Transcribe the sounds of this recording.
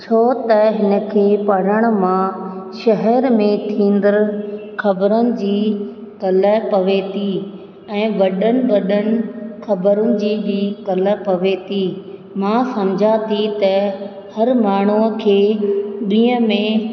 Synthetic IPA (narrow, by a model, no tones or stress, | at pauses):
t͡ɕʰoːt̪ɐɦɪnə̆kʰeːpɐɽ̤əɽ̃̆mãʃɐɦɛɾmẽt̪ʰĩːn̆d̪əɾxʰɐbəɾənɪ̆d͡ʑiː | kɐləpɐʋet̪ʰi | ɛ̃ːʋɐɗənɪ̆ʋɐɗənɪ̆xʰɐbəɾʊnɪ̆d͡ʑiːbiːkɐlə̆pɐʋet̪ʰi | mãsɐmd͡ʑʱat̪ʰit̪ɐ | hɐɾmaːɳ̤ukʰeːɗĩːə̃mẽ